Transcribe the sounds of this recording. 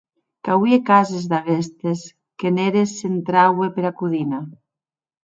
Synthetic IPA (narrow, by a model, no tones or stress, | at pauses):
kawiekazezðaɣest̪es | keneɾesent̪ɾawepeɾakuðina